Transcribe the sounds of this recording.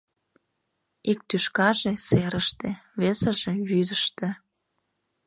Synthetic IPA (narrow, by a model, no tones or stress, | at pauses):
ik̚t̪yʃkɑʒeseɾəʃt̪eβesə̆ʒeβyd̪əʃt̪ĕ